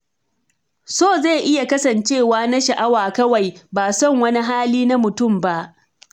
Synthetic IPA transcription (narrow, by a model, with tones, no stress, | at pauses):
soː˦˨za˦˨ʔɪ˦ja˨kɐ˦sɐ˨nt͡ʃeː˦˨waː˦na˦ʃa˨ʔa˦waː˨kɐ˦wa˨jbaː˨sɔ˦˨ŋwɐ˦ni˦ɦaː˦liː˦na˦mʊ˨tʊ˦mba˦ʔ